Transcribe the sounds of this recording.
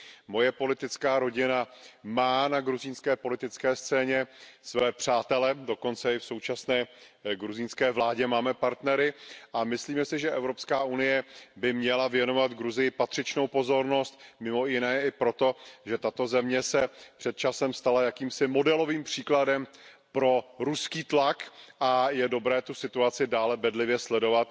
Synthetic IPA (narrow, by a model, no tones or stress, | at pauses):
mo̞jɛpo̞lɪt̪ɪt͡skaːɾo̞ɟɪnamaːnaɡɾuziːnskɛːpo̞lɪt̪ɪt͡skɛːst͡sɛːɲɛsvɛːpr̝̥aːt̪ɛlɛdo̞ko̞nt͡sɛɪfso̞wt͡ʃasnɛː | ɡɾuzɪnskɛːvlaːɟɛmaːmɛpaɾt̪nɛɾɪʔamɪsliːmɛsɪʒɛʔɛvɾo̞pskaːʔunɪjɛbɪmɲɛlavjɛno̞vat̪ɡɾuzɪjɪpat̪r̝̥ɪt͡ʃnowpo̞zo̞ɾno̞st̪mɪmo̞jɪnɛːɪpɾo̞t̪o̞ʒɛt̪at̪o̞zɛmɲɛsɛpr̥ɛt̪̚t͡ʃasɛmst̪alajakiːmsɪmo̞dɛlo̞viːmpr̝̥iːkladɛm | pɾo̞ɾuskiːt̪lakʔajɛdo̞bɾɛːt̪usɪt̪uat͡sɪdaːlɛbɛdlɪvjɛslɛdo̞vat̪